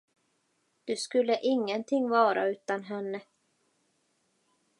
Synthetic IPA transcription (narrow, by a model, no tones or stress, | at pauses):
d̪̥ɵskɵlːəʔɪŋːənt̪ʰɪŋːvɑːɾa̰ʉ̟ːt̪anɦɛnːə